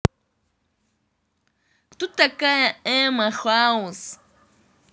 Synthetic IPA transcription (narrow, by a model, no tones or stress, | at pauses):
tutʼakʼajaɛmaχwaʊs